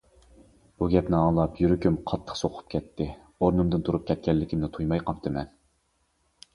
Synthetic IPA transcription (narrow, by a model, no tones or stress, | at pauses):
b̥uɡʲɛpnɪɑŋlˠɑpjyɾykʲymqʰɑt̪ʰːə̥χsoqʰʊ̥p̚kʲɛt̪ʰːɪ | oɾnɨmd̪ɨnt̪ʰuɾup̚kʲʰɛt̪̚kʲɛlːɪkʲʰimnɪt̪ʰujmɑjqʰɑpt̪ʰɨmɛn